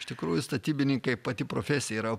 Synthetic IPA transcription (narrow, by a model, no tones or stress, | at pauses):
ʃt̪ʲɪkɾuːjʊst̪ɐt̪ʲiːbʲɪnʲɪŋkɐɪpɐt̪ʲɪpɾoːfʲæsʲɪjɛiːɾɐ